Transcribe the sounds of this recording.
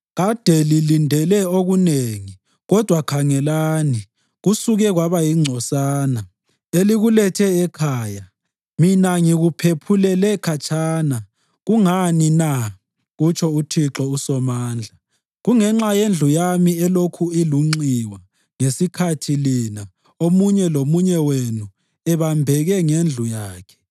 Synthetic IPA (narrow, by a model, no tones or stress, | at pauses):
ɣad̥ʱɛlilindʱɛlɛoɣuneːŋi | ɣɔd̥ʱwakʰaŋɛlaːni | ɣusuɣɛɣwaβajiŋ͡ǀʱɔsaːna | eliɣulɛtʰɛːkʰaːja | minaŋiɣupʰepʰulɛlɛkʰat͡ʃʰʼaːna | ɣuŋanina | ɣut͡ʃʰʼɔutʰiǁɔusɔmaːnd͡ɮʱa | ɣuŋɛŋ͡ǁajend͡ɮʱujamiɛlokʰuiluŋ͡ǀiwa | ŋesikʰatʰilina | omuɲɛlomuɲɛwenu | ɛβambʱɛɣɛŋend͡ɮʱujaːkʰɛ̥